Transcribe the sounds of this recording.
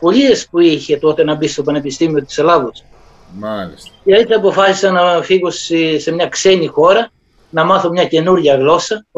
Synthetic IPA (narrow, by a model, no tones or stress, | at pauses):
po̞ʎiespuiçe̞t̪o̞t̪enɐbist̪o̞pɐne̞pist̪imio̞t̪i̥selɐvos | mɐliseɐisɐpo̞fɐsi̥sɐnɐfiɣosise̞mɲɐkse̞nixo̞ɾɐ | nɐmɐθomɲɐce̞nuɾʝɐɣlo̞sɐ